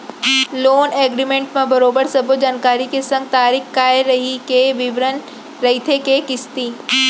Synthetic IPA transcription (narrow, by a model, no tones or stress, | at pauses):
loːneːɡɾimẽːɳʈmãbɐɾoːbəɾsɐbod͡ʑaːnkaːɾikesɐ̃ŋɡ̚t̪aːɾixkaːeɾɐɦikeʋɪʋɾən | ɾɐɦit̪ʰekekɪst̪iː